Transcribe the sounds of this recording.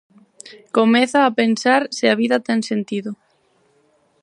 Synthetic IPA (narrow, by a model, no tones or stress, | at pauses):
komɛθaːpensaɾsɪaβiðɐt̪ɛŋsent̪iðʊ